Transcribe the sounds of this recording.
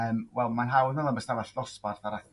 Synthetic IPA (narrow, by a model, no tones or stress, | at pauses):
əːmwɛlˠmanɦawnɔlˠambəstavaɬɔsparθaɾa